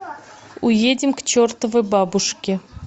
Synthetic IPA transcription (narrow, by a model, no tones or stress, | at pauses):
ʊjedʲɪmkt͡ɕort̪əvəjbabʊʂkʲɪ